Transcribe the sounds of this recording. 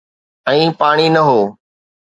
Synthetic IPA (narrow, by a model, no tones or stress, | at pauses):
ɛ̃ːpaːɽ̃inɐɦoː